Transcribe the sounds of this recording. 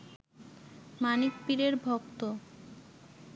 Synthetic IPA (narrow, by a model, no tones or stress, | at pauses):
manik̚piɾeɾbʱɔkt̪o